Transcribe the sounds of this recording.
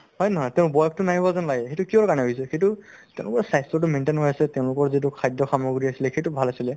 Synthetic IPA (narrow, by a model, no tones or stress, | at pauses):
ɦɔjnɔɦɔjtɛ̃ʊ̃ʊbɔjk̚tʊnaɦibɔzanlaɡɛxejtʊkiɔɹkaɹnɛɦoɦisɛxejtutɛʊ̃lʊkɔɹsajstɔt̬ʊmentenɦojasɛtɛʊ̃lʊkɔɹzit̬ʊkʰajdɔxamɔɡuɹiasilɛxejtubʱalasilɛ